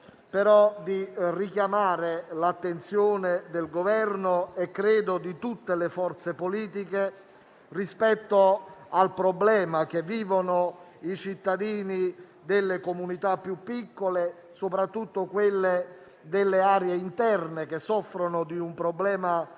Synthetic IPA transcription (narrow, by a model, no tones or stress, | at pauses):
peɾɔd̪irikjamaːɾelat̪ːent̪sjoːned̪elɡovɛrnoɛkːɾeːd̪od̪it̪ut̪ːelefɔrt̪sepoliːt̪̬ike | rispɛt̪ːoalpɾoblɛːmak̟evːiːvono | it͡ʃit̪ːad̪iːni | d̪elːekomunit̪apːjupːikːole | sopɾat̪ːut̪ːokwelːe | d̪elːeaːɾjeint̪ɛrnekesːɔfːɾonʊd̪iumpɾoblɛːma